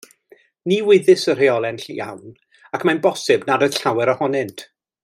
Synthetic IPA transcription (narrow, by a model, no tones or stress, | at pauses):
niwɪðɨsər̥eɔlˠɛnɬija̰wn | akʰmajnbɔsɨbnadəɬawɛɾɔhɔnɪntʰ